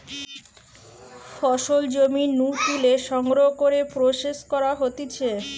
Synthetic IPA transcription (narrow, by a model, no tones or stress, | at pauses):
fɔʃold͡ʑominuʈ̪ileʃɔŋɡɾokoɾepɾoʃeʃkɔɾaɦot̪it͡ɕʰe